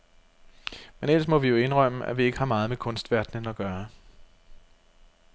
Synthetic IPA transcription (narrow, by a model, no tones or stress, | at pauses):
menel̰smɒ̽ʋijo̝e̝nʁœm̰əʔæ̰ʋie̝ɡ̥əhɑ̈mɑ̈ːð̞̩ˠmekʰɔ̽nsd̥ʋæɐ̰d̥nənɒ̽ɡ̥ɶːɐ